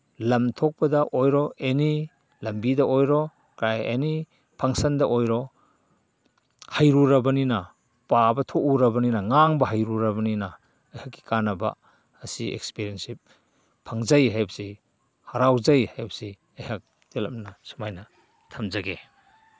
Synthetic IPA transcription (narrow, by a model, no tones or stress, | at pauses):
lɐmtʰok̚pɐdɐʔojɾɔeni | lɐmbidɐʔojɾɔ | kɾajḛni | pʰaŋsɐndɐʔojɾɔ | hajɾuɾɐbɐninɐ | pabɐtʰoʔuɾɐbɐninɐŋaŋbɐɦajɾuɾɐbɐninɐ | ɐjhakːi̥kanɐbɐ̰ː | siḛk̚spiɾiensip̚ʰː | aŋzajɦajbsi | haɾawzajhajbsi | ɐjhak̚ | telɐmnɐsu̥majnɐ | tʰɐmzaɡe